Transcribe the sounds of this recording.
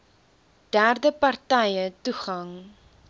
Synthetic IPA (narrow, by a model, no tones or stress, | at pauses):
d̥ærdəpɐrtɛjətuχɐŋ